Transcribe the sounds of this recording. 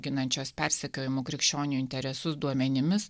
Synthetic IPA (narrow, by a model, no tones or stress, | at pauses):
ɡʲɪnɐnʲt͡ʃʲoːspʲæˑɾʲsʲɛkʲoːjɪmoːkɾʲɪkʃʲt͡ʃʲoːnʲɪnuːɪnʲt̪ʲɛɾʲɛsʊsd̪uɔmʲɛnʲɪmʲɪs